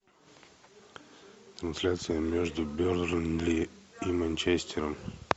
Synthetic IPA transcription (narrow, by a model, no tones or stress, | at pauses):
t̪ɾɐnslʲat̪sijəmɛʒd̪ʊbʲɔɾd̪ɾənliimant͡ʃɛst̪ʰɛɾəm